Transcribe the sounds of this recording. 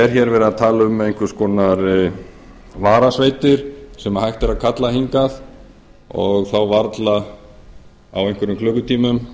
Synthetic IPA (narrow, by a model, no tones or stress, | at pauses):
ɛɾçɛɾvɛːɾaðt̪ʰaːlaʏmːɛejŋ̥kʏ̥skɔːnaɾ | vaːɾasveːjt̪ɪɾ̥sɛmahajht̪ɛɾaðkʰat̪lahiŋkaθ | ɔ̰ɣθawvaɾt̪la | a̰wejŋkvɛɾʏmkʰlœːkʏt̪ʰiːmʏm